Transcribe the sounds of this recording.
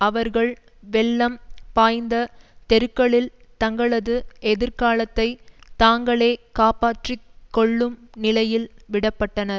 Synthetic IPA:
ɐʋɐɾɣɐɭ | ʋɛɭːɐmpaːjnd̪ɐt̪ɛɾɯkːɐɭɪlt̪ɐŋɡɐɭɐðɯɛðɪɾkaːlɐt̪ːɐɪt̪aːŋɡɐɭeːkaːpaːʈrɪkːɔɭːɯmnɪlɐjɪlʋɪɽɐpːɐʈːɐnɐɾ

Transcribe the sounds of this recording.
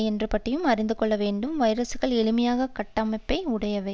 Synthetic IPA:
ɛndrɯpɐʈːɪjɯmɐɾɪnd̪ɯkɔɭːɐʋeːɳɖɯmʋɐɪɾɐsɯɣɐɭɛɻɯmɐjaːɣɐkɐʈːɐmɐɪpːɐɪʊɽɐjɐʋɐɪ

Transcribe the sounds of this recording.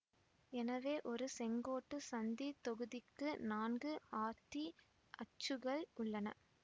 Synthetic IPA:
ɛnɐʋeːʔɔɾɯsɛŋɡoːʈːɯsɐnd̪it̪ɔɣɯðɪkːɯnaːnɡɯaːt̪ːi | ʔɐt͡ʃːɯɣɐɭʊɭːɐnɐ̰

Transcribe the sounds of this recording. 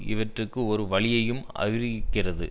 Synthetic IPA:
ɪ̰ʋɐʈrɯkːɯɔɾɯʋɐɭɪjɐjɯmɐ̰ʋɪɾkːɪrɐðɯ̰

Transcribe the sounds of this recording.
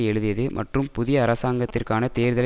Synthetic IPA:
ɛɻɯðɪjɐðɯmʔɐ̰ʈrɯmpʊðɪjɐːɾɐsaːŋɡɐt̪ːɪrkaːnɐt̪eːɾðɐl

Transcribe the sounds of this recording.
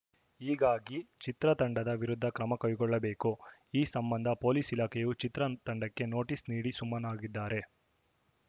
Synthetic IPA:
iːɡaːɡit͡ʃit̪ɾɐt̪ɐɳɖɐd̪ɐʋiɾud̪ʱːɐkɾɐmɐkɐjɡɔɭːɐbe̞ːkuiːsɐmbɐnd̪ʱɐpo̞ːliːsilaːkʰɛjut͡ʃit̪ɾɐt̪ɐɳɖɐkːe̞no̞ːʈisniːɽisumːɐnaːɡid̪ːaːɾe̞

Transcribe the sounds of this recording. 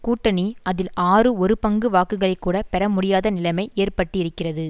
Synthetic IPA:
kuːʈːɐniʔɐðɪlaːrɯɔɾɯpɐŋɡɯʋaːkːɯɣɐɭɐɪkːuːɽɐpɛɾɐmʊɽɪjaːðɐnɪlɐmɐɪʔeːrpɐʈːɯɪɾɯkːɪrɐðɯ

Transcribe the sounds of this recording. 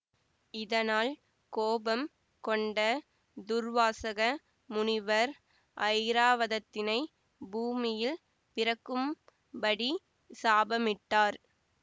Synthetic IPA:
ɪðɐnaːl | koːbɐm | kɔɳɖɐ | d̪ʊɾʋaːsɐɣɐ | mʊnɪʋɐɾ | ʔɐɪɾaːʋɐðɐt̪ːɪnɐɪ | buːmɪjɪl | pɪɾɐkːɯm | bɐɽi | saːbɐmɪʈːaːɾ

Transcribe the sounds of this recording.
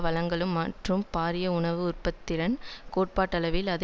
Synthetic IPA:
ʋɐɭɐŋɡɐɭɯmːɐʈrɯmpaːɾɪjɐʊɳɐʋɯʊrpɐt̪ːɪɾɐnkoːʈ̚paːʈːɐɭɐʋɪlɐð

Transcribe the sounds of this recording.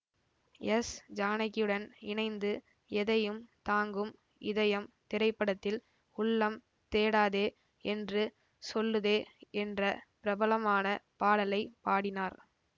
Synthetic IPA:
ɛsd͡ʒaːnɐkːɪɯɽɐnɪnɐɪnd̪ɯ | ɛðɐjɯmt̪aːŋɡɯm | ɪðɐjɐmt̪ɪɾɐɪpːɐɽɐt̪ːɪl | ʊɭːɐm | t̪eːɽaːðeː | ɛndrɯ | sɔlːɯðeːɛndrɐpɪɾɐbɐlɐmaːnɐpaːɽɐlɐɪpaːɽɪnaːɾ

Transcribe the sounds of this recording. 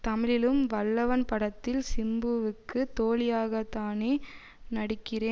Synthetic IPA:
t̪ɐmɪɻɪlɯmʋɐɭːɐʋɐnpɐɽɐt̪ːɪlsɪmbɯʋɯkːɯt̪oːlɪjaːɣɐt̪ːaːneː | nɐɽɪkːɪreː

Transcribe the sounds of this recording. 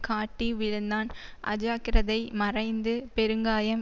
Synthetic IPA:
kaːʈːiʋɪɻɯnd̪aːnʔɐ̰d͡ʒaːkɪɾɐðɐɪmɐrɐɪnd̪ɯpɛɾɯŋɡaːjɐm

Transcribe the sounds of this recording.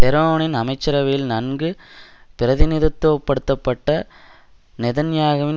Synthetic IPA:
t̪ɛɾoːɳɪnɐmɐɪt͡ʃːɐɾɐʋɐjɪlnɐnɡɯpɪɾɐðɪnɪðɐt̪ːoʋɐpːɐɽɯt̪ːɐpːɐʈːɐ | nɛðɐnjaːɣɐʋɪn

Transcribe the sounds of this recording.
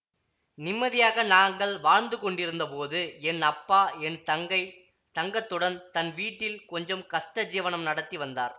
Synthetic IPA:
nɪmːɐðɪjaːɣɐnaːŋɡɐɭʋaːɻnd̪ɯkɔɳɖɪɾɯnd̪ɐpoːðɯɛnɐpːaːɛnt̪ɐŋɡɐɪ | t̪ɐŋɡɐt̪ːɯɽɐnt̪ɐnʋiːʈːɪlkɔɲd͡ʒɐmkɐsʈɐd͡ʒiːʋɐnɐmnɐɽɐt̪ːiʋɐnd̪aːɾ

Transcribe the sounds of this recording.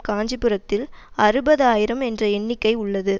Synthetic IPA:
kaːɲd͡ʒɪpːɯrɐt̪ːɪlɐɾɯbɐðɯaːjɪɾɐmɛndrɐɛɳːɪkːɐɪʊɭːɐðɯ

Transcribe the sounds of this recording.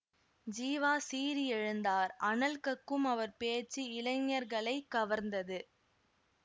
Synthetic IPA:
d͡ʒiːʋaːsiːɾiɛɻɯnd̪aːɾɐnɐlkɐkːɯmɐʋɐɾpeːt͡ʃːiɪlɐɪŋːɐɾɣɐɭɐɪkːɐʋɐɾnd̪ɐðɯ

